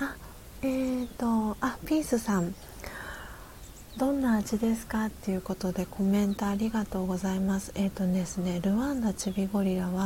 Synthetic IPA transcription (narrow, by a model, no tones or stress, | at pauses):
a | et̪o̞apʲiːsɨsãɴ | d̪̥õ̞nːaːʑid̪e̞sɨ̥kat̪ːe̞ɯ̟ːko̞t̪o̞d̪e̞kʰo̞mẽ̞nt̪oːɾʲiɡat̪o̞ːɡo̞zaimasɨ̥e̞t̪ːo̞ne̞sɨne̞ɾɯ̟βãnd̪at͡ɕibʲiɡo̞ɾʲiɾaβa